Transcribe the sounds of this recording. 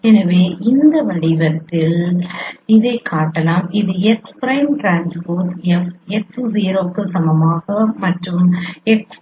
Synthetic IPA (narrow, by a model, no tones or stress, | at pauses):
ɛnɐʋeːʔɪnd̪ɐʋɐɭɪɣɐt̪ːɪl | ɪðɐɪkʰːaːʈːɐlaːmɪðɯɛkspɾɐɪmʈɾaːnspoːɾʈ̪ɛfɛksziːɾoːkːɯsɐmɐmaːɣɐmɐʈrɯmɛks